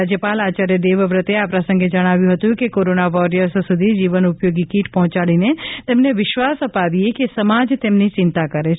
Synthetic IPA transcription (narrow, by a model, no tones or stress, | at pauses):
ad͡ʒjəpalat͡ʃaɾjəd̪eʋəʋɾət̪eapɾasə̃ŋɡed͡ʒəɽ̃aʋjũɦət̪ũkekoɾonaʋɔɾijəɾssud̪ʱid͡ʒiʋənʊpjoɡikiʈpɔɦɔ̃t͡ʃaɭinet̪emneʋɪʃʋasəpaʋiekesəmad͡ʒt̪emnit͡ʃɪnt̪akəɾe